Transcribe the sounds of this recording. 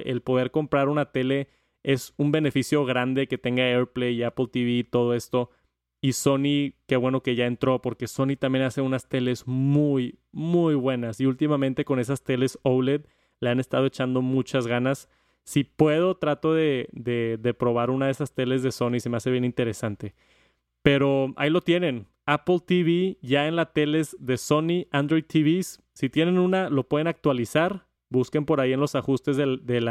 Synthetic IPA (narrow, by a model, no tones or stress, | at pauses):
ʔḛlpo̞ð̞e̞ɾko̞mpɾaɾunat̪e̞le̞ | e̞sumbe̞ne̞fisjo̞ɣɾand̪e̞ke̞t̪e̞ŋɡaeɾpleiaplt̪iβiːt̪o̞ð̞o̞e̞st̪o̞ | iso̞nike̞βweno̞ke̞ʝae̞nt̪ɾo̞po̞ɾke̞so̞nit̪ambje̞nase̞unast̪e̞le̞zmujmujβwe̞nasiult̪imamẽnt̪e̞ko̞ne̞s̬ast̪e̞le̞sowled̪ | le̞ane̞st̪aðo̞et͡ʃand̪o̞mut͡ʃazɣanasː | ipwe̞ð̞o̞t̪ɾat̪o̞ðe̞ðe̞ðe̞pɾo̞β̞aɾunað̞e̞sast̪e̞le̞zðe̞so̞nise̞me̞ase̞βje̞nĩnt̪e̞ɾe̞sant̪e̞ | pe̞ɾo̞a̰ilo̞t̪je̞nẽ̞n | aplt̪iβiʝae̞nlat̪e̞le̞zðe̞so̞niand̪ɾo̞jð̚t̪ʰiβisː | it̪je̞nẽ̞nũnalo̞pweð̞e̞nak̚t̪walisaɾ | buske̞mpo̞ɾaienlo̞saxust̪e̞zðeðela